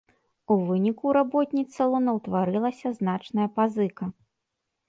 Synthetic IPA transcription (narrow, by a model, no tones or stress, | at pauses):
uvɨnʲikuɾabɔt̪ʲnʲit̪sɐlˠɔnɐwt̪vaɾɨlˠɐsʲɐzn̪at͡ʂnɐjɐpazɨkɐ